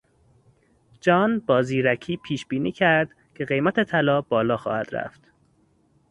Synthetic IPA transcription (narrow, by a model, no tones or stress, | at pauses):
d͡ʒɒːnbɒːziːɾæcʰiːpʰiːʃbiːniːcʰæɾd̪̥ | cʰe̞ɣe̞jmæt̪ʰe̞t̪ʰælɒːbɒːlɒːxɒ̰ːhæd̪̥ɾæ̰ft̪